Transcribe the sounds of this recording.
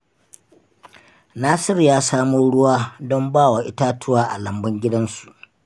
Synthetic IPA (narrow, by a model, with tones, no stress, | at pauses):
naː˦sɪ˦rjaː˦saː˦moː˦ɽʊ˦waː˦dɔ˦mbaː˦˨wa˨ʔɪ˦taː˦tʰʊ˦waː˦ʔa̰˨lɐ˨mbɐ˦ŋɡʲɪ˦dɐ˦nsu˨ʔ